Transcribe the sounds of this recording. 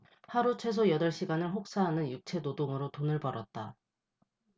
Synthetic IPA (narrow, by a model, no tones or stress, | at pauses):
haɾut͡ɕʰe̞s̬ʰojʌdʌɭɕ͈iɡanɯɭɸok̚s͈aɦanɯnjuk̚t͡ɕʰe̞nodoŋɯɾotonɯɭpʌɾʌt̚t͈a